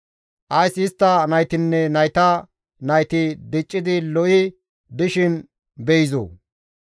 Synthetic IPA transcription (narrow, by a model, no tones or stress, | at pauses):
ʔɐjsɪst̪ːɐnɐjt̪ɪnːɛnɐjt̪ɐ | nɐjt̪ɪd̪ɪt͡ʃʼːɪd̪ɪlɔʔɪ | d̪ɪʃɪn | bɛjɪzo̰ː